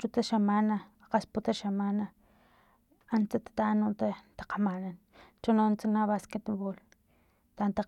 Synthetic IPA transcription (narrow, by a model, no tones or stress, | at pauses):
t͡ʃut̪aʃamana | qasput̪aʃamana | ant͡sat̪ḁt̪anut̪at̪ḁqamanan | t͡ʃunont͡sanaβasket̪βol | t̪ant̪a